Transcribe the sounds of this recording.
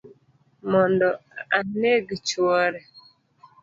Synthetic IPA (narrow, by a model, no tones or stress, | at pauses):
mɔndɔaneɡit͡ʃwɔɾɛ